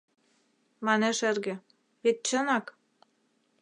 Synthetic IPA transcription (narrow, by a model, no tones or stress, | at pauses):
mɑneʃerɣĕ | pet̪̚t͡ɕənɑk